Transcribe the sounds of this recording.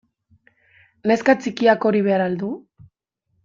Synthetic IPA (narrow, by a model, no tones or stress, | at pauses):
neskat͡sikiako̞ɾiβ̞e̞aɾald̪u